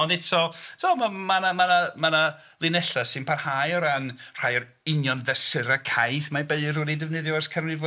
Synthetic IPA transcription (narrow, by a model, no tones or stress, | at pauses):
ɔndɪtʰɔtʰɔmamanamanamana | lˠɪnɛɬasɪnpʰarhaːjɔɾanr̥aːjɔɾ | ɪnjɔnvɛsɪɾakʰajθmabeɨrʊdidɪvnɨðjɔɛrskʰənriv